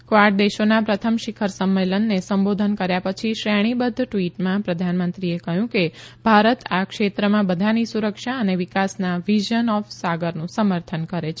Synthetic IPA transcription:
kʋaɾʈ̚d̪eʃonapɾət̪ʰəmʃikʰəɾsəmːelənːesəmbod̪ʱənkəɾjapət͡ʃʰiʃɾeɽ̃ibəd̪ʱːʈʋiʈmãpɾəd̪ʱanmənt̪ɾiekəɦjũkebʱaɾət̪ʰakʃet̪ɾəmãbəd̪ʱanisuɾəkʃaəneʋikasnaʋiʒənɔfsaɡəɾnũsəməɾt̪ʰənkəɾet͡ʃʰ

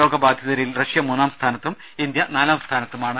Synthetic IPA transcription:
o̞ːɡɐbaːd̪ʱjɐðɐɾilrɐʂjɐmuːnaːmst̪ʰaːnɐt̪ːum | ind̪jɐnaːlaːmst̪ʰaːnɐt̪ːumaːɳɨ

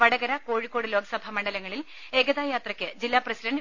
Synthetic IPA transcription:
ʋɐɽɐɡɐɾɐko̞ːɻikːoːɽɨlo̞ːɡʰɐsɐbʱɐmɐɳɖɐlɐŋːɐɭil | e̞ːɡɐðaːjaːt̪rɐkʲːɨd͡ʑilːaːprɐsidɐɳɖ

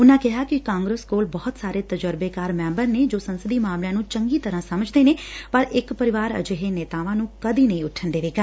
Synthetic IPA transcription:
ʊnãːkɪɦaːkɪkãːŋɡɾəskoːlbɔːʊt̪saːɾeːt̪əd͡ʒəɾbeːkaːɾmɛ̃ːmbəɾneːd͡ʒoːsənsəd̪iːmaːmljãːnũːt͡ʃəŋɡiːt̪əɾãːsəməd͡ʒd̪eːneːpəɾɪkpəɾɪʋaːɾə̰d͡ʒəɦeːnɛːt̪aːʋãːnũːkəd̪iːnəĩʊʈʰːənd̪eːʋeːɡa

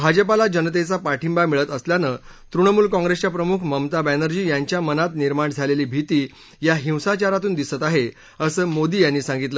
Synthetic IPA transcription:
bʱad͡ʑəpalad͡ʑənət̪̬et͡sapaʈʰimbamiɭət̪əsljanət̪ɾuɳəmuːlkɔ̃ŋɡɾest͡ɕjapɾəmukʰməmt̪abænəɾd͡ʑiːjaɲt͡ɕjamənat̪niɾmaɳd͡zʱaleliːbʱit̪iː | jaɦĩwsat͡ɕaɾat̪uːnd̪isət̪aɦe | əsəːmod̪iːjanːiːsãŋɡit̪lə

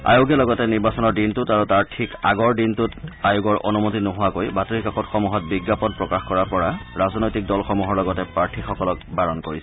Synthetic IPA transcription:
a̰joɡɛlɔɡɔtɛniɹbasɔnɔɹdintutaɹutaɹtʰikaɡɔɹdintutajoɡɔɹʔo̰numotinɔɦʊwakojbatoɹikakɔtxɔmuɦɔt̚biɡːapɔnpɹɔkaxkɔɹapɔɹaɹaznojtik̚dɔlxɔmuɦɔɹlɔɡɔtɛpaɹtʰixɔkɔlɔkbaɹɔnkoɹisɛ

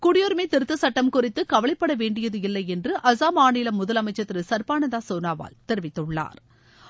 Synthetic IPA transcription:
kʊɽɪjoːɾɯmeːt̪ɪɾɯt̪ːɯsɐʈːɐmkʊrɪt̪ːɯkɐʋɐɭɐɪpːɐɽɐʋeːɳɖɪjɐðɯɪlːɐɪɛndrɯʔɐsaːmaːnɪːlɐmʊðɐlɐmɐɪt͡ʃːɐt̪ːɪɾɯsɐɾpaːnɐðaːsoːnaːʋa̰ːlt̪ɛɾɪʋɪt̪ːɯɭːa̰ːɾ

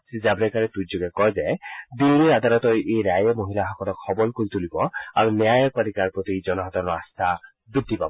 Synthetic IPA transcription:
sid͡ʒabɾekaɾet̪ud͡ʒoɡekɔɦed͡ʒajd̪ilːiad̪aɾɔt̪ɔjʔejɾajemoɦilaɦɔkɔɾɔkʰɔbɔlkoɾit̪ulibɔaɾunjajɔpɔɾikaɾpɾɔt̪id͡ʒɔnɔɦɔt̪ɔɾɔast̪ʰa | bɾid̪ʱːipabɔ

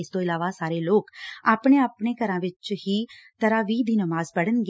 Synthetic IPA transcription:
ɪst̪oɪlaːʋasaːɾeloːkaːpɳ̃eaːpɳ̃ekɐɾãʋɪt͡ʃhit̪ɐɾaʋiːd̪ʱiːnəʋaːzpɐɽ̤ənɡ

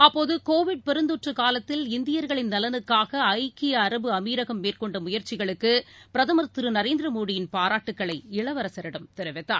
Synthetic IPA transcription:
ɐpːoːðɯkoːʋɪɖ̚pɛɾɯnd̪ɔʈrɯkaːlɐt̪ːɪlɪnd̪ɪjɐɾɣɐɭɪnnɐlɐnɯkːaːɣɐɐɪkːɪjɐːɾɐbɯɐmiːɾɐɣɐmːeːrkɔɳɖɐmʊjɐɾt͡ʃːɪɣɐɭɯkːɯpɪɾɐðɐmɐɾt̪ːɯɾɯnɐɾeːnd̪ɾɐmoːɽɪjɪnpaːɾaːʈːɯkːɐɭɐɪɪɭɐʋɐɾɐsɐɾɐɽɐmt̪ɛɾɐʋɛt̪ːaːɾ

